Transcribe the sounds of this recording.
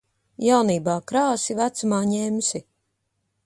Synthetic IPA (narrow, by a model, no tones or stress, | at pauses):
jawniːbaːkɾaːsivæt̪sumaːɲɛmsi